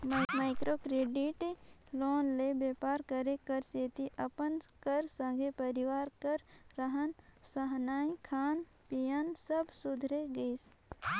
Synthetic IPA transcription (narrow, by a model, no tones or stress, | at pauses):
maːɪkɾoːkɾeːɖiʈloːnlebeːpaːɾkəɾekəɾseːt̪iʔɐpənkəɾsə̃ŋɡʱepəɾiʋaːɾkəɾːəɦənsəɦnaːĩkʰaːn | pijənsəbsʊd̪ʱɾeɡəis